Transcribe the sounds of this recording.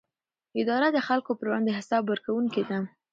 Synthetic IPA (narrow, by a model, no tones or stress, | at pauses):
ɪd̪ɑɾad̪əxalkopəɾwɑnd̪eɦɪsɑbwəɾkawuŋked̪a